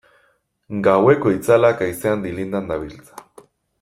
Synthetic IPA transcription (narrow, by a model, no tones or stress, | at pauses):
ŋɡawekoit͡salakaiseand̪ilind̪and̪aβilt͡sḁ